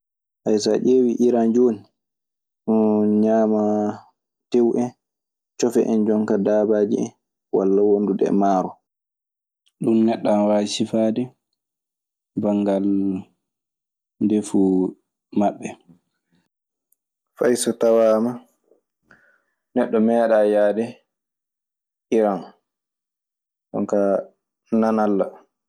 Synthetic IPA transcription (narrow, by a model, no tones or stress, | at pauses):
ʔajsa̰ʔeːwiʔiɾand͡ʒoːni | ɗunɲaːma | tewʔɛ | t͡ʃɔfɛ̰ʔɛnd͡ʒɔŋkadaːbaːd͡ʒiɛ̰n | wa̰lːawonduɗɛ̰maːɾɔ | ɗumnɛɗːanwaːsifaːdɛ | baŋɡal | ndefu | maɓːɛ | fajsɔtawaːma | nɛɗːɔmɛːɗajaːdɛ | ʔiɾan | d͡ʒɔ̰ŋka | nanalːa